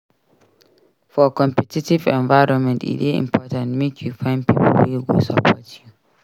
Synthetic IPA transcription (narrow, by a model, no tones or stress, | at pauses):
fɔkɔ̃mpɛtitivɛ̃nvaɪɹɔ̃nmɛ̃ntḭɾeḭ̃mpʰɔtãntmekʰjufãɪ̃ndpʰipəlwiwḭsapʰɔtʰju